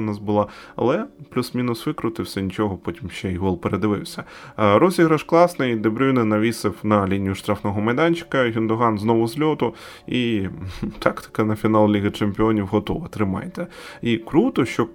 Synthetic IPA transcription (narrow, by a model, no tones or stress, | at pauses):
nɑsbʊlˠɑɐ̰lˠɛplʲusmʲinʊsʋɪkɾʊt̪ɪwsʲɐnʲit͡ʃɔɦɔpɔtʲimʃt͡ʃɛiɦɔlˠpeɾed̪ɪʋɪ̰wsʲɐɾɔzʲiɣɾɐʃklˠɑsnɐd̪ebɾʲujnɪnɐʋʲisɪwnɐlʲinʲijʊʃt̪ɾɑfnɔɦɔmɐjd̪ɑnʲt͡ʃɪ̥kɐɦʲind̪ɔɦɑnznɔʋʊzʲlʲɔt̪ʊ | i | t̪ʰɑkt̪ɪ̥kɐnɐfʲinɑlˠlʲiɣɐt͡ʃemʲpʲɪɔnʲiwɦɔt̪ɔʋɐt̪ɾɪmɑ̰jt̪ɛikɾut̪ɔʃt͡ʃɔ